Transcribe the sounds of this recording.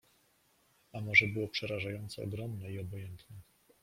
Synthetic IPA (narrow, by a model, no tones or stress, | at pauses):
amɔʐɛbɘwɔpʂɛɾaʐajɔnt̪sɛ̰ɔ̰ɡɾɔmnɛiɔbɔjɛnt̪nɛ